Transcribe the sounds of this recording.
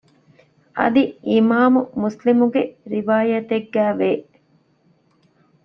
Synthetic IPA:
ʔɐ̰d̪iʔimaːmumuslimuɡeɾiʋaːjɐt̪eɡːæːʋeː

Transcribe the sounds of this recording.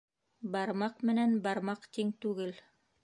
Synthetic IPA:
bɑɾmɑqmɘ̆nænbɑɾmɑqt̪iŋt̪ʉɡɘl

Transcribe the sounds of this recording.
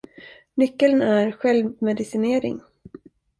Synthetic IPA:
nʏkːəlnæɾɧɛlvmɛd̪ɪsɪneːɾɪ̰ŋ

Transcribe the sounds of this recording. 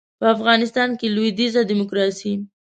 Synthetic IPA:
pəafɣɑnɪst̪ɑnkelujd̪izad̪imʊkɾɑsi

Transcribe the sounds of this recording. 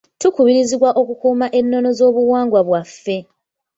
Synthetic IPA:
tukuβiɾiziβwaʔo̞kukuːmaʔe̞nːo̞no̞zo̞ːβuwaːŋɡwaβwafːe̞

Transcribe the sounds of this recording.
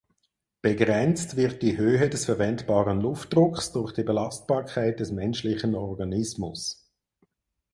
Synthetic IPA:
b̥eɡʁɛnt͡stvɪʁt̚d̥iɦøːɦədɛsfɛɾvɛntb̥ɑːʁənlʊftd̥ʁʊkχsd̥ʊɾχd̥ibelɑst̚b̥ɑːʁkʰaɪt̚d̥ɛsmɛnʃlɪçənɔʁɡɑnɪsmʊ̰s

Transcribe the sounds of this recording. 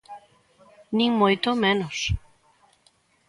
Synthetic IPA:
nĩŋmojt̪omẽnos

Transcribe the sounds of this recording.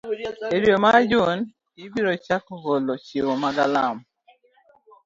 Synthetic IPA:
eɾjomad͡ʒon | ibiɾɔt͡ʃakɔɣolɔt͡ʃewɔmaɡalam

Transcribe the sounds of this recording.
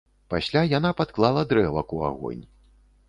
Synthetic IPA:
pasʲlʲajanapat̪klˠalˠɐd̪ɾɛvɐkua̰ɣɔ̰nʲ

